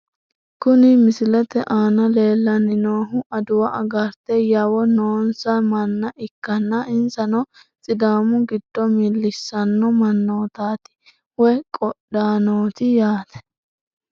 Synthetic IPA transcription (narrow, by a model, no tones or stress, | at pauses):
kʊnɪmɪsɪlɛt̪ɛʔaːnɐle̞ːlːɐnɪnoːɦʊʔɐd̪ʊwɐʔɐɡɐɾt̪ɛjawɔnoːnsɐmɐnːɐʔɪkːɐnːɐɪnsɐnɔ | t͡sʼɪd̪aːmʊɡɪd̪̥ːɔmɪlːɪsːɐnːɔmɐnːoːt̪aːt̪ɪ̥ | wɛjkʼɔɗaːnoːt̪ɪjaːt̪ɛ̥